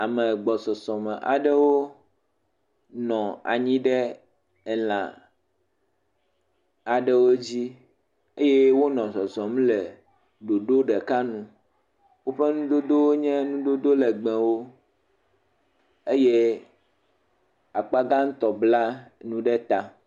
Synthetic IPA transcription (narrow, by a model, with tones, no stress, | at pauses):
a˨mɛ̃˨ɡ͡bɔ˨sɔ˨sɔ̃˨mɛ̃˨ʔa̰˨ɖɛ˦wo˦ | nɔ̃˨a̰˨ɲĩ˦ɖɛ˦ | ɛ˨l̃ã̰˨ | a˨ɖɛ˦wo˦d͡ʑi˦ | e˦je˦wo˦nɔ̃˨sɔ˨sɔ̃˨m˦lɛ˨ | ɖo˨ɖo˦ɖɛ˨ka˦nũ˦ | wo˦ɸɛ˦nũ˦d̪o˦d̪o˦wo˦ɲɛ̃˦nũ˦d̪o˦d̪o˦lɛ˨ɡ͡bɛ̃˨wo˦ | e˦je˦ | a˨k͡pa˦ɡa˦ŋ̩̃˦t̪ɔ˨bla˦nũ˦ɖɛ˦t̪a˨